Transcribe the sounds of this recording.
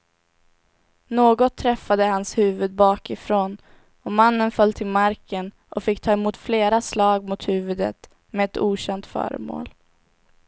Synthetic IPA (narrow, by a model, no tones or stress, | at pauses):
noːɡɔt̪ʰːɾɛfːad̪əhanshʉ̟ːvɵd̪̚bɑːkɪfɾoːn | ɔmanːənfœlt̪ʰɪlmaɾkən | ʔɔfɪkːt̪ʰɑːɛmuːt̪fleːɾaslɑːɡ̚mʊt̪hʉ̟ːvɵd̪ə̰t̪ | mɛːt̪uːɕɛnt̪fœ̰ːɾə̰mo̰ːl